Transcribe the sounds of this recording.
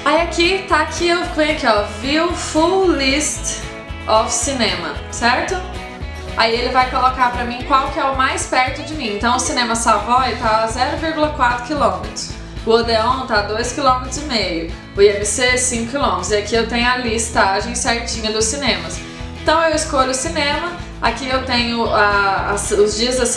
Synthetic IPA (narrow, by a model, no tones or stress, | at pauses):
aiakit̪akʰiewɡẽj̃akiɔviʊfulist̪ | ɔfsinẽmɐsɛɾt̪ʊ | a̰ielɪvajkolokaɾpɾɐmĩkwawkɪɛʊmajspɛɾt̪ʊd͡ʒɪmĩẽnt̪ɐ̃w̃ʊsinẽmɐsavɔjt̪azɛɾʊviɾɡulɐkwat̪ɾʊkilõmet̪ɾʊs | ʊod̪eõt̪ad̪ojskilõmet̪ɾʊzɪmejʊ | ʊiemɪsesĩŋkʊkilõmet̪ɾʊzɪakiewt̪ẽɲ̃ʊɐlist̪aʒẽj̃sɛɾt͡ʃĩɲɐd̪ʊsːinẽmɐs | ẽnt̪ɐ̃w̃ewɪskoʎʊʊsinẽmɐ | a̰kiewt̪ẽɲʊasʊzd͡ʒiɐzɐs